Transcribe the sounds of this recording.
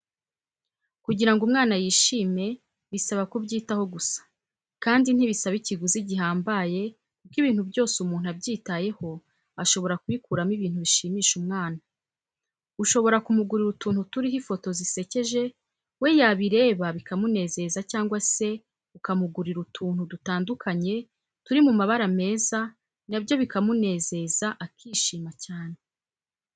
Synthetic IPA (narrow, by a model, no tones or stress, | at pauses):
kuɟiɾaŋɡumŋaːnajiːʃiːme̞ | βisaβakubɟiːtaho̞ɡusḁ | kaːndin̥iβisaβiciɡuziɟiɦaːmbaje̞ | kub̚ɡiβiːn̥hubjo̞ːsumuːn̥uabɟiːtaje̞ho̞ | aʃo̞βo̞ɾakwikuɾamiβiːn̥huβiʃiːmiːʃumŋaːna | uʃo̞βo̞ɾakumuɡuɾiɾutuːnhutuɾiɦifo̞to̞zise̞ce̞ʒe̞ | we̞jaβiɾe̞ːβaβikamune̞ːze̞zacaːŋɡwase̞ | ukamuɡuɾiɾutʰuːn̥hudutaːndukʰaɲe̞ | tuɾimumaβaɾame̞ːza | nabjo̞βikamune̞ːze̞zaʔakʰiːʃiːmacaːne̞